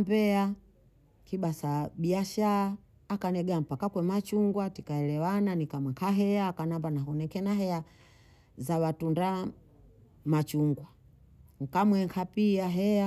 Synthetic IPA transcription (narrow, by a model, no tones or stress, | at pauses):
mbɛa | kiɓasaɓiaʃaaː | kanɛɡam̩pakakwɛmat͡ʃuŋɡwatikaɛlɛwananikamaŋkʰaɦɛaːkanambanaɦɔnɛkɛnaɦɛja | zawatunda | mat͡ʃuŋɡwa | ŋ̩kamwɛŋkʰapiaɦɛa